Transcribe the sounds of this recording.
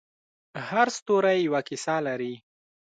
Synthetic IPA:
haɾst̪oɾajjawakɪsɑlaɾi

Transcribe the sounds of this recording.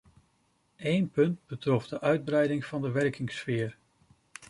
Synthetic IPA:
ejnpɵndbətrɔfdəʔœɥd̚brɛjdɪŋv̥ɑndəʋɛɹkɪŋsfɪːɹ

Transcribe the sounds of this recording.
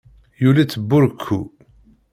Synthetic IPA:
julæt͡sːəbːʊɾkʰːu

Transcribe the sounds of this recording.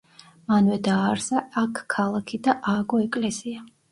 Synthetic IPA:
manvɛd̪aːɾzaakːʰalˠakʰid̪aʔaɡɔɛkʼlɛsia

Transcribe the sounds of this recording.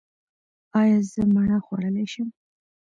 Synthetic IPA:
ɑjɑzəmaɳaxwaɽəleʃəm

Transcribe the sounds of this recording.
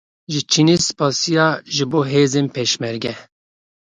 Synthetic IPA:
ʒɪt͡ʃʰineːsɨ̥pɑːsijɑːʒɪboːɦeːzeːnpʰeːʃmɛɾɡɛ

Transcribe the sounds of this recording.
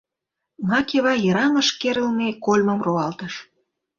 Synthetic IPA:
ŋɑkeβɑjɤɾɑmə̆ʃkeɾə̆lmekolʲməmroɑlt̪əʃ

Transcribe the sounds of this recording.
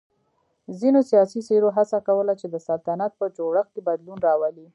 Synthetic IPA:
zinosjɑsiseɾoɦasakawəlat͡ʃed̪əsalt̪anat̪̚pəd͡ʒoɽəxkebad̪lunɾɑwali

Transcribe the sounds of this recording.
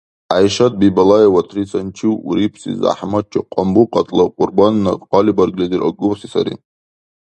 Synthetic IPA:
ajʂatʼbibalajawatʰrit͡sʰʼant͡ʃʰiwɾipʰsḭza̰ħmad̚t͡ʃʰaqʷʼambuqʼatʼlaqʼʊrbanːaqalibarɡlediraɡʊsisa̰ɾḭ

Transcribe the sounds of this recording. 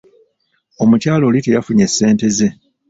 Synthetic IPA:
o̞mucaːlo̞ːlite̞jafuɲe̞sːe̞ːnte̞ze̞

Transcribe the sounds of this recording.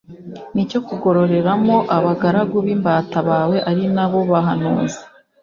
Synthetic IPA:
nico̞kuɡo̞ɾo̞ɾe̞ɾamo̞ʔaβaɡaɾaɡuβimbataβaːwe̞ʔaɾinaβo̞βaɦanṵːzḁ

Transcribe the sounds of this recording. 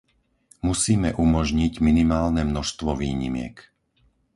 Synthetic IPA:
musiːmɛʔumɔʒɲiɟminimaːlnɛmnɔʃst̪ʋɔʋḭːɲḭmɪɛ̰k

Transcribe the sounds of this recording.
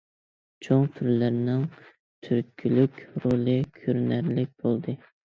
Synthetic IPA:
t͡ʃʰoŋt̪ʰyɾlæɾnɪŋ | t̪ʰyɾkʲʰylykʲɾolˠɨkʲʰøɾnæɾlɪk̚ʲb̥olˠd̪ɨ

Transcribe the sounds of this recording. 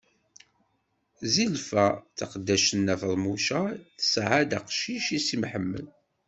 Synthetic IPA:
zilfæt͡saqd̪ːæʃənːæfəlˤmuʃaθə̥sʕad̪aqʃiʃisimħəmːə̰l

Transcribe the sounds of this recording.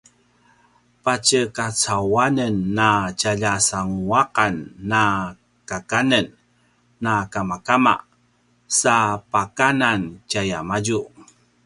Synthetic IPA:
pat͡ɕəkat͡sawanənːat͡ʃaʎasaŋuaqanːa | kakanənː | akamakama̰ | sapakanancajamaɟu

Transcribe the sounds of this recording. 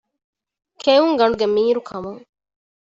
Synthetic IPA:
kʰejuŋɡɐɳɖuɡemiːɾukʰɐmuŋ

